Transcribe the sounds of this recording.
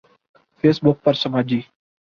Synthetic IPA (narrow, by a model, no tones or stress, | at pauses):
pʰeːsbʊk̚pəɾsəmaːd͡ʒiː